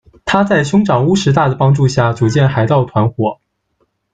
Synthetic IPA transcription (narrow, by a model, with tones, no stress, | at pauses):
t̪ʰa˥t͡sa˥˩ɪɕjʊ˥ŋʈ͡ʂɑ˨˩ŋu˥ʂɻ̩˧˥t̪a˥˩d̪ə˩pɑ˥ŋʈ͡ʂu˥˧ɕja˥˩t͡su˨˩t͡ɕjɛ˥˩nxa˨˧˥ɪt̪ɑ˥˩ʊt̪ʰwa˧˥nxwɔ˨˧˩